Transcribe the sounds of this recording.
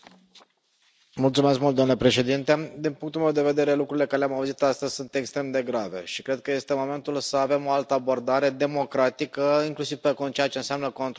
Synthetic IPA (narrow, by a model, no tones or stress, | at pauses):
mult̪sume̞skmult̪d̪amnlepɾe̞ʃe̞d̪int̪e̞d̪inpuŋkt̪ulme̞wd̪e̞ve̞d̪e̞ɾe̞lukɾuɾile̞kaɾeleamauzit̪ast̪əzʲsunt̪e̞kst̪ɾe̞md̪e̞ɡɾave̞̰ʃikɾe̞d̪̚kəje̞st̪emo̞me̞nt̪ulsəave̞mo̞alt̪əabo̞rd̪aɾe̞d̪e̞mo̞kɾat̪ikəiŋklusiv̥pekont͡ʃejat͡ʃe̞ɨnsʲamnəko̞nt̪